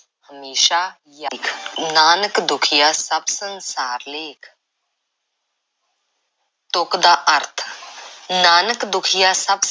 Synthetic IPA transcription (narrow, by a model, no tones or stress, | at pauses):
həmeːʃaː | jakʰnaːnəkd̪ʊkʰijaːsɐbsənsaːɾleːkʰ | t̪okd̪aːʔəɾt̪ʰ | naːnəkd̪ʊkʰijaːsəb